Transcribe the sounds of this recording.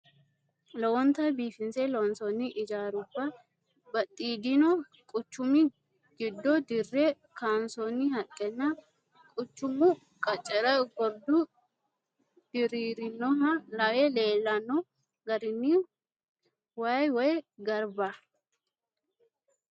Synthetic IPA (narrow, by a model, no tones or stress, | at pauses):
lɔwɔnt̪ɐbiːfɪnsɛlɔwɔnsɔnːɪʔɪd͡ʒaːɾʊbːɐ | bɐt̪ʼːiːd̪ɪnɔ | kʼʊt͡ʃːʊmɪ | ɡɪd̪ːɔd̪ɪrːɛ | kaːnsɔnːɪhɐkʼːɛnːɐ | kʼʊt͡ʃːʊmʊ | kʼɐt͡ʃʼːɛɾɐɡɔɾd̪ʊ | d̪̥ɪɾiːɾɪnːɔɦɐlɐwɛle̞ːlːɐnːɔ | ɡɐɾɪnːɪ | waːjwɔjɡɐɾbɐ